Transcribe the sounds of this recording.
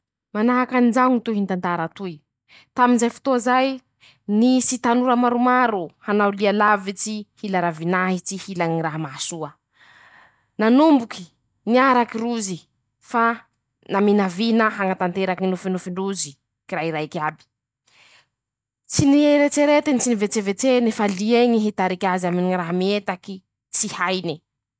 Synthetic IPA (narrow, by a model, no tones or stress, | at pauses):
manaɦakanid͡ʒaŋit̪uɦint̪ant̪aɾat̪uj | t̪aminzajfu̥t̪ozaj | nisit̪anuɾəmaɾumaɾuhanawlialavit͡sihilaɾavinaɦit͡sihilaniɾaɦamasuə | nanumbuki̥ | niaɾakiɾuzi | fa | naminavinəɦaŋat̪ant̪eɾakinufinufiɳɖ͡ʐuzi | kiraɦiɾajkʲabi̥ | t͡sinieɾet͡seɾet̪enit͡sinivet͡sevet͡senifalieɲiɦit̪aɾikʲazaminiraɦamiet̪aki | t͡sihajni